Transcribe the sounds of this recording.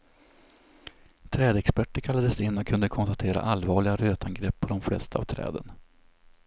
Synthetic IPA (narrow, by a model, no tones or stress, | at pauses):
t̪ʰɾɛːd̪əɛkspæʈːəɾkʰalːad̪əsɪnːɔkʰːɵnd̪əkʰɔnst̪at̪ʰeːɾa̰ʔalvɑːɭɪɡaɾøːt̪ʰanɡɾɛpːʰɔd̪ɔmflɛ̰st̪aa̰vt̪ʰɾɛ̰ːd̪ə̰n